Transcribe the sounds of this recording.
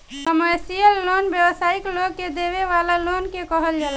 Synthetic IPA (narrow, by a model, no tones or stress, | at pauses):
kəməɾsijəlːonbjəbəsaiklokːed̪eβeʋalalonkekəɦəld͡ʒal